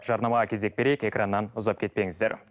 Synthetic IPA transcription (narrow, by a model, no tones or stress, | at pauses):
ʒɑɾnɑmɑʁɑkʲʰe̞ze̞k̚be̞ɾe̞jɪke̞kranːɑnʊzɑp̚kʲʰe̞t̪̚pe̞ŋɪzd̪e̞ɾ